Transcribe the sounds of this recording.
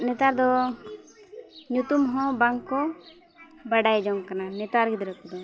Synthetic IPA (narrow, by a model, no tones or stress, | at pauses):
nɛt̪aɾd̪ɔ | ɲut̪umɦɔ̃baŋkːɔ | baɖajd͡ʒɔŋkananɛt̪aɾɡid̪ɾəkud̪ɔ